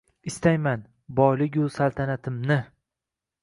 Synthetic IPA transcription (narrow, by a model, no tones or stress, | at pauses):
ɪst̪ajman | bɒjlɪkʲʊsalˠt̪ʰanat̪ʰɪmnɪ